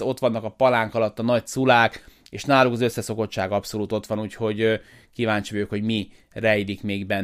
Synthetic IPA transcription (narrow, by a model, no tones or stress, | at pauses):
o̞t̪ʋɒnːɒkɒpɒlaːŋkɒlɒt̪ːɒnɒcsulaːk | eːʃnaːlukɒzø̞sːɛso̞ko̞t͡ʃt͡ʃːaːɡɒpso̞luːt̪o̞t̪ʋɒnuːcho̞ɟ | kivaːɲt͡ʃiøːkho̞ɟmi | rɛjd̪ikmeːɡbɛn